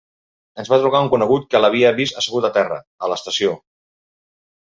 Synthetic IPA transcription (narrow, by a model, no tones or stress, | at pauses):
ənzβat̪ɾuɣauŋkunəɣut̪̚kələβ̞iəβisəsəɣut̪ət̪ɛrə̰ | ələst̪əsio